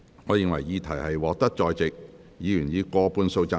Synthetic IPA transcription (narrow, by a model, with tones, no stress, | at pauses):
ŋɔː˨˧jɪ˨ŋwɐ˨˩jjiː˨˧t̪ʰɐ˨˩jhɐ˨jwɔː˨k̚t̪ɐ˥k̚t͡sɔː˧jt͡sɪ˨k̚ | jiː˨˧jyː˨˩njiː˨˧kɔː˧puː˧nso˧wt͡sa˧